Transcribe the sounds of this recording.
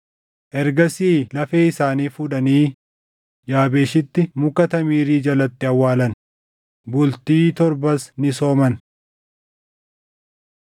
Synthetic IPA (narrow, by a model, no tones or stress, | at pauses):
ʔɛɾɡɐsiːlɐfeːɪsaːniːfʊᶑɐniː | d͡ʒaːbe̞ːʃɪt̪ːɪmʊkɐt̪ɐmiːɾiːd͡ʒɐlɐt̪ːɪɐwːaːlɐn | bʊlt̪iːt̪ɔɾbɐsnɪsoːmɐn